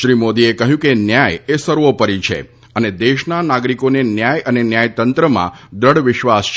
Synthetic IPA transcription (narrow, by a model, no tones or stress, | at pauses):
ʃɾimod̪iekəɦjũkenjajesəɾʋopəɾit͡ʃʰḛ | əned̪eʃnanaɡɾikonenjajənenjajt̪ənt̪ɾəmã̰d̪əɽʋɪʃʋast͡ʃʰ